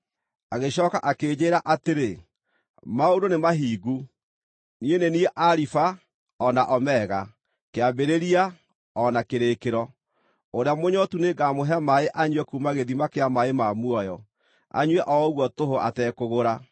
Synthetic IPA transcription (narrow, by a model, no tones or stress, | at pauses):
aɣeɕɔːkaʔakeːd͡ʑeːɾaʔateɾe | maodonemaɦiːɡu | nienenieʔaɾifa | ɔnaʔɔmɛːɣa | keabeɾeɾia | ɔnakeɾekeɾɔ | oɾeamoɲɔtuneɡamoɦɛmaeʔaɲwɛkumaɣeðimakeamaemamwɔjɔ | a̰ɲwɛʔɔɣwɔtoɦoʔa̰tɛkoɣoɾa